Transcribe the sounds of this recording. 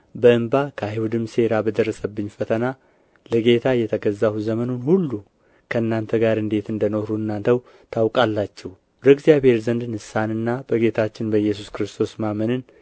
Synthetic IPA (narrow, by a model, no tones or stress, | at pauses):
bəɨmbakʰahiwud̪ɨmse̞ɾabəd̪ərːəsəbːɨɲːfət̪ʰəna | ləɡe̞t̪ʰajːɛt̪ʰəɡəzːawzəmənunhulːu | kʰəɨnːant̪ʰəɡaɾɨnd̪e̞t̪ɨnd̪ənohɾuɨnːant̪ʰəw | t̪ʰawkʼalːat͡ʃːɛw | ɾəɡzijaβhe̞ɾzənd̪ɨnhɨsːanɨnːabəɡe̞t̪ʰat͡ʃːɪnbəjːɛsuskɨɾɨst̪ʰo̞smamənɨn